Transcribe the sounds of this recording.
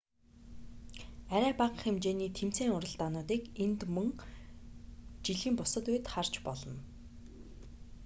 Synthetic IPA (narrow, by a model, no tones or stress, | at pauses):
æɾæːpaq̆xemt͡ɕeːniːt̪ʰem̥t͡seːŋʊɾə̆ɮt̪aːnʊːt̪iːkent̪mɵŋ | t͡ɕiɮiːmpʊsə̆t̪ujt̪χar̥t͡ɕpɔɮɞ̆n